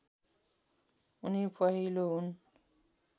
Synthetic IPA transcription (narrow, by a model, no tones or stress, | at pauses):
unipaɦiloun